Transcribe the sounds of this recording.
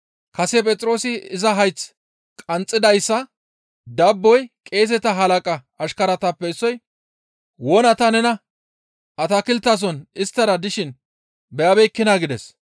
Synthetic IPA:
kɐsɛpʼɛt͡sʼɾo̞ːsɪɪzɐɦɐjt͡s | kʼɐnt͡sʼːɪd̪ɐjsːɐ | d̪ɐbːɔjkʼe̞ːs̬ɛt̪ɐɦɐlɐkʼɐː | ʃkɐɾɐt̪ɐpːɛɪsːɔj | wɔnɐt̪ɐnɛnɐ | ʔɐt̪akɪlt̪ːas̬ɔnɪst̪ːɐɾɐd̪ɪʃɪn | bɛjɐbɛjkːɪnaːɡɪd̪ɛs

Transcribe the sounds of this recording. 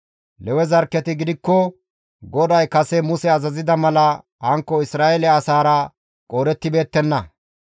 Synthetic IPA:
lɛwɛzɐɾkːɛt̪ɪɡɪd̪ɪkːɔ | ɡɔd̪ɐjkɐsɛmʊsɛɐzɐzɪd̪ɐmɐlɐ | hɐŋkːɔɪsɾaːelɛɐsaːɾɐ | kʼoːɾɛt̪ːɪbe̞ːt̪ːɛnːɐ

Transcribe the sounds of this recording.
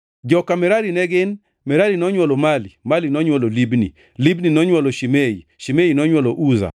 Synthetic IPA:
d͡ʒɔkamɛɾaɾinɛɡɪn | mɛɾaɾinɔɲwɔlɔmalimalinɔɲwɔlɔlibnḭ | libninɔɲwɔlɔʃimeḭʃimeinɔɲwɔlɔʔuza̰

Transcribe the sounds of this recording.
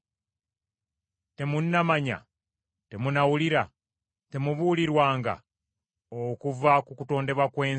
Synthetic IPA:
te̞munːamaɲa̰ | te̞munawuliɾa | te̞muβuliɾwaːŋɡa̰ | okuvakukuto̞ːnde̞βwakwe̞ː

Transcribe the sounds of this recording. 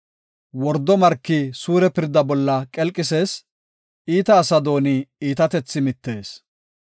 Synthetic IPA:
wɔɾd̪ːɔmɐɾkːɪsuːɾɛpɪɾd̪ɐbɔlːɐkʼɛlkʼɪse̞ːs | iːt̪ɐːsɐd̪o̞ːnɪiːt̪ɐt̪ɛt͡sːɪmɪt̪ːe̞ːs

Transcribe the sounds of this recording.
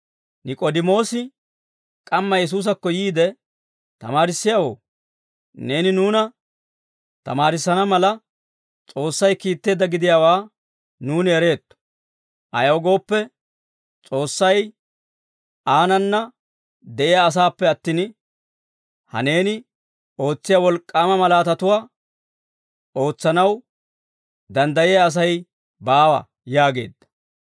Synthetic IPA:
nɪkʼod̪ɪmo̞ːsɪ | kʼɐmːɐjɛs̬uːs̬ɐkːɔjiːd̪ɛ | t̪ɐ̰maːɾɪsːɪjaːwo̞̰ː | ne̞ːnɪnuːnɐ | t̪ɐ̰maːɾɪsːɐnɐmɐlɐ | t͡sʼo̞ːsːɐjkiːt̪ːe̞ːd̪ɐɡɪd̪ɪjaːwaː | nuːnɪɛɾe̞ːt̪ːɔ̥ | ʔɐ̰jɐwɔɡo̞ːpːɛ | t͡sʼo̞ːsːɐj | ʔaːnɐnːɐ | d̪ɛʔɪjaːs̬aːpːɛɐt̪ːiːn | hɐ̰ne̞ːnɪ | o̞ːt͡sːɪjɐwɔlkʼːaːmɐmɐlaːt̪ɐt̪ʊwaː | o̞ːt͡sːɐnɐw | d̪ɐnd̪ɐjɪjɐːs̬ɐj | baːwɐ̰ | jaːɡe̞̰ːd̪ːɐ̥

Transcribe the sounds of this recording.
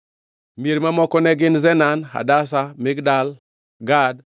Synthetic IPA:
meɾmamɔkɔneɡɪnzɛnanha̰das̬amɪɡdal | ɡad

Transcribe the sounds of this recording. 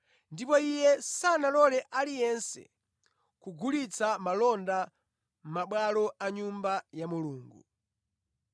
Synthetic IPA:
ndipɔijɛsanalɔlɛʔalijɛnsɛ̰ | kuɡulit͡samalɔnda | m̩maɓwalɔaɲumbajamuluːŋɡṵ

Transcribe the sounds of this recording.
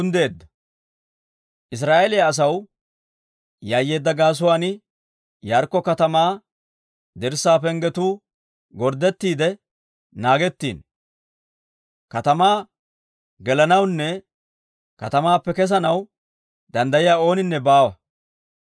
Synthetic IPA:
nd̪e̞ːd̪ːɐ | ʔɪs̬ɾaːʔɛlɪjaːs̬ɐw | jaːjːe̞ːd̪ːɐɡaːs̬ʊwaːnɪ | jaːɾkːɔkɐt̪ɐmaː | d̪ɪɾsːaːpɛŋɡɛt̪uː | ɡɔɾd̪ːɛt̪ːiːd̪ɛ | naːɡɛt̪ːḭːn | kɐt̪ɐmaː | ɡɛlɐnɐwnːɛ | kɐt̪ɐmaːpːɛkɛs̬ɐnɐw | d̪ɐnd̪ɐjɪjaːo̞ːnɪnːɛbaːwɐ

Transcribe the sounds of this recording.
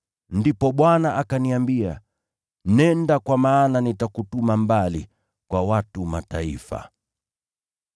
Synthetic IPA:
ndipɔɓwanaʔakaniambia̰ | nɛndakwamaːnanitakutumambali | kwawatumataifa̰

